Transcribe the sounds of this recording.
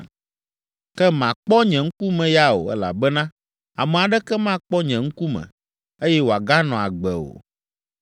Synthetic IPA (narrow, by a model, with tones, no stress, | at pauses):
kɛ˦mã˨k͡pɔ˦ɲɛ̃˨ŋ̩˦ku˦mɛ̃˨ja˦o̰˨ɛ̰˦la̰˨bɛ˦nã˦ | a˨mɛ̃˨a˨ɖɛ˦kɛ˦mã˦˨k͡pɔ˦ɲɛ̃˨ŋ̩˦ku˦mɛ̰̃˨ | e˦jɛ˦wo˨a˨ɡa˦nɔ̃˨a˨ɡ͡bɛ˨o̰˨